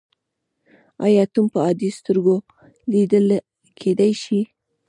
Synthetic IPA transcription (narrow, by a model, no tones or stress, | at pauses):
ɑ̰jɑt̪umpəɑd̪ist̪əɾɡo | lid̪əl | kʰed̪ajʃi